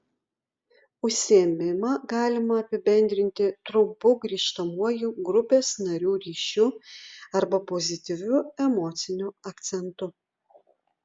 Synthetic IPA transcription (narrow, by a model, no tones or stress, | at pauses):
ʊʃʲsʲɪɛmʲɪmɐɡɑːlʲɪmɐɐpʲɪbʲɛnʲd̪ʲɾʲɪnʲt̪ʲɪt̪ɾʊmpʊɡɾʲiːʃt̪ɐmuɔjuɡɾʊpʲeːsnɐɾʲuːɾʲiːʃʲuːɐɾbɐpozʲɪt̪ʲɪʋʲuɛmɔːt̪sʲɪnʲʊɐkt̪sʲɛnt̪ʊ